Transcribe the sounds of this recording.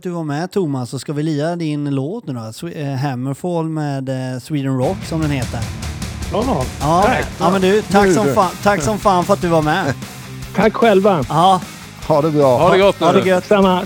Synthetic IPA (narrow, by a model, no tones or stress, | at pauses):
d̪ɵvaɾmɛt̪ʰʊmːasːɔskavɪliːɾad̪ɪnloːt̪nʉ̟ːɾɔsɦɛmːəfoːlmeːd̪swiːd̪ənɾɔkːsɔmd̪ɛnheːt̪əɾ | ɑːɑmɛnd̪ɵt̪ʰakːsɔmfat̪ʰakːsɔmfaːnfəɾat̪̚d̪ɵvaɾmɛ | t̪ʰakːɧɛlvaɑː | had̪ɛbɾɑːhadɛɡɔt̪ːad̪ɛɡœt̪ːama